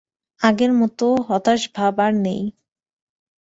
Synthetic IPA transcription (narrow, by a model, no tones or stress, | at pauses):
aɡeɾmɔt̪oɦɔt̪aʃbʱabaɾnej